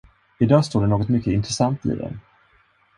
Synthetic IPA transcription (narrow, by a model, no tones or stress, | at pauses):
ɪd̪ɑːst̪oːɖɛnoːɡɔt̪mʏkːəɪnt̪ɾɛsant̪ḭd̪ɛ̰n